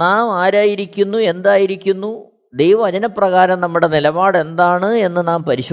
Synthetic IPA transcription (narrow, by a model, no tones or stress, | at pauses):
naːmaːɾaːjiɾikʲːunːue̞nd̪aːjiɾikʲːunːu | d̪ejʋɐmɐd͡ʑɐnɐpːrɐɣaːɾɐmnɐmːuɽe̞nilɐbaːɽe̞nd̪aːɳɨe̞nːɨnaːmpɐɾiɕ